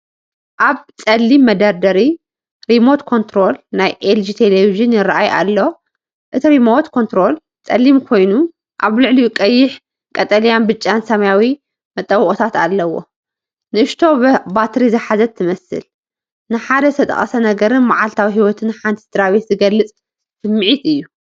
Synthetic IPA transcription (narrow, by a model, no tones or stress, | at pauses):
ʔaβt͡sʼɐlːimːɐd̪aɾd̪ɐɾi | ɾimo̞t̪kʰont̪ɾo̞lnajʔeld͡ʒit̪ʰeleviʒɨnjɪraʔajʔa̰lːo̞ | ʔɨt̪ʰiɾimot̪kʰo̞nt̪ɾo̞l | t͡sʼɐlːimkʰo̞jnu | ʔaβlɨʕlikʼɐjːɪħ | kʼɐt̪ʼɐlijanbɨt͡ʃʼːansɐmɐjawi | mɐt̪ʼːɐwχʼot̪ʰat̪a̰lːɐwo̞̰ | nɨʔɨʃt̪ʰo̞bat̪ʰɾizɨħazɐt̪ʰːɨmɐsɨ̰l | nɨħad̪ɐɨt̪ʰɐt̪ʼɐ̰χʼɐsɐnɐɡɐɾɨnmaʕalt̪ʰawiɦiwɔt̪ʰɨnħant̪ʰi̥d̪ɨɾaβet̪zɨɡɐlːɨt͡sʼ | sɨmːɨʕit̪ɨjːu